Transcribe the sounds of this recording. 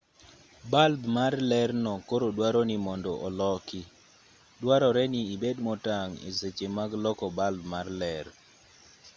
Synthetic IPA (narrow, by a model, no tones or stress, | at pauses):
balbmarlɛrnɔkoɾodwaɾɔnimɔndɔʔɔlɔkɪ | dwaɾɔɾɛniibedmɔtaŋḛset͡ʃemaɡlɔkɔbalbmarlɛr